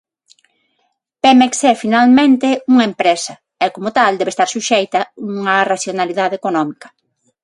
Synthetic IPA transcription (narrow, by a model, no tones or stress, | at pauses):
pɛmeksɛfinalmẽnt̪euŋɐempɾesɐ | ɛkomʊt̪ald̪ɛβest̪aɾsuʃejt̪ɐuŋɐraθjonaliðaðekonɔmikɐ̥